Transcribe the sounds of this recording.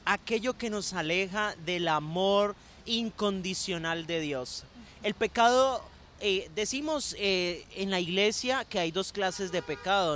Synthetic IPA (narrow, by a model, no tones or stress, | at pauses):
ake̞ʝo̞ke̞no̞sale̞xaðe̞lamo̞ɾ | iŋko̞nd̪isjo̞nald̪e̞ðjo̞s | e̞lpe̞kaðo̞ | ed̪e̞simo̞seenlaiɣle̞sjake̞ajd̪o̞sklase̞zd̪e̞pe̞kaðo